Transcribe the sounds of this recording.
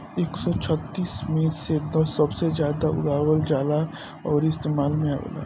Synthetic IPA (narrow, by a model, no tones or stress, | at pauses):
eːksɔt͡ʃʰət̪ːiːsmẽsed̪ɔsɐbsed͡ʒjaːd̪aʊ̰ɽaːwəld͡ʒaːla | ɔːɾɪst̪eːmaːlmẽa̰wə̰la̰